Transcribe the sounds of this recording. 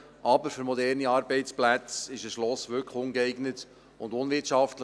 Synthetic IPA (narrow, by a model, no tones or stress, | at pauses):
ʔɑbəɾfʏɾmɔdɛɾniɑːɾbɛɪt͡splæt͡sɪʃəʃlɔsʋʏlkχʊnɡəɛɪɡnət | ʊndʊnʋɪtʃɑftlə